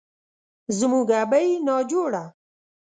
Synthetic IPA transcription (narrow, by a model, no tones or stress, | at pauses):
zmũɡaːbajnɑːd͡ʒoːɽa